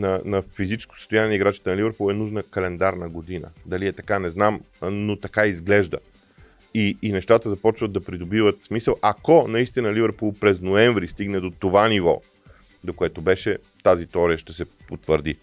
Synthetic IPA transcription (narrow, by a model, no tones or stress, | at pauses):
nɐnɐfizit͡ʃɛ̥sko̥sə̥st̪ʊjanʲɛiɡɾat͡ʃi̥t̪ɛnɐlivɛɾpulˠɛnuʒnəkɐlɛnd̪aɾnəɡod̪inə̰d̪ɐliɛt̪ɐkanɛznam | not̪ɐkaizɡlɛʒd̪ə̰ | iːnɛʃt̪at̪əzɐpɔt͡ʃvəd̪ːɐpɾid̪obivət̪smisəlˠʔɐkɔnɐist̪inəlivəɾpulˠpɾɛznoɛɱvɾist̪iɡnɛd̪ot̪ovanivɔ̰ | d̪okoɛt̪obɛʃɛ | t̪azit̪ɔɾiəʃt̪ɛsɛpot̪vəɾd̪i